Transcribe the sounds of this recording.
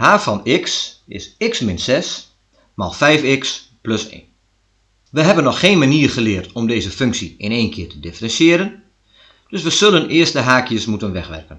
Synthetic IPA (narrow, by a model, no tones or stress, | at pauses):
haːfɔnɪksɪ̰sɪksmɪnsɛs | ma̰lˠfɛjfɪks | pløsḛːn | ʋəɦɛbənːɔxːeːnmaniːrχəlɪərtɔmdeːzəføŋksiɪneːnkʰɪːtədɪfərɛnsjɪəɾən | d̥øs̬ʋəzɵlənɪərstdəɦaːkjəsmutənʋɛxʋɛ̰rkən